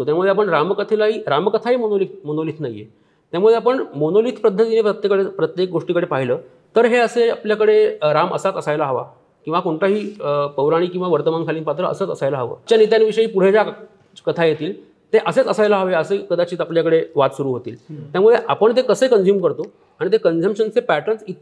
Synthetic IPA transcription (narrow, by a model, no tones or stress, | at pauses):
ot̪jamud̪ʱeapəɳɾamkət̪ʰelaɦiːɾamkət̪ʰaɦiːmonolit̪̚monoliːt̪ʰnaɦiːḛ | t̪jamuɭeap̬əɳmonoliːt̪ʰpɾəd̪ʱːət̪inepət̪jekəɽepɾət̪jek̚ɡoʂʈikəɽepaɦiləː | t̪əɾɦeəseapljakəɽeɾamə̰sat̪əsajlaɦəʋa̰ | kĩw̃ʋakoɳʈaɦiːpəwɾaɽ̃iːkĩw̃ʋaʋəɾt̪əmankʰaliːnpat̪ɾəə̰səːt͡səsajlaɦəʋə̰ːt͡ɕjanit̪janʋiʂəiːpuɽ̤ed͡za | kət̪ʰajet̪iːl | t̪eʔəset͡səsajlaɦəʋeəsekəd̪at͡ɕiːt̪apljakəɽeʋat̪suɾuːɦot̪iːlt̪jamuɭeʔapəɳt̪̬ekəsəːikənd͡ʑjuːmkəɾt̪o | aɽ̃it̪̬ekənd͡zəmpʂənt͡sepæʈəɳsit̪̚